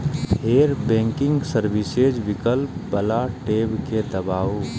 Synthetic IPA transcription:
heːɾbɛ̃ːŋkɪ̃ŋɡsəɾʋised͡ʒʋɪkəlpbəlaʈeːbked̪əbaː

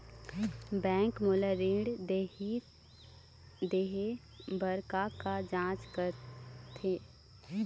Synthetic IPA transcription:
bɛ̃ːŋkmoləɾeɖ̪ | d̪eːɦe | bəɾkakad͡ʒãːt͡ʃkəɾt̪ʰeː

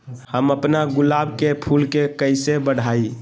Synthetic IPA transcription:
həməpnaɡʊlabkepʰulkekəɪsebəɽ̤ʱai

